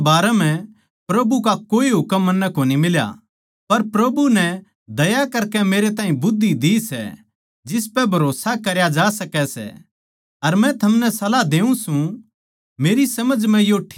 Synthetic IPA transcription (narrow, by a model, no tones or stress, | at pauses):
baːɾɛm̤ɛ̃ | pɾɐbukakoːiɦʊkəmːɐnːɛkoːnimɪlja̰ | pɐɾpɾɐbunɛ | d̪ɐjakɐɾkɛmeːɾet̪aːɦĩbʊd̪ʱːid̪isɛ̰ | d͡ʒɪs̬pɛbʱɐɾoːsakɐɾjad͡ʒaːsɐkɛsɛ̰ | ɐɾmɛ̃t̪ʰɐmnɛsɐlad̪eːũsũ | meːɾisɐməd͡ʒmɛ̃joʈʰː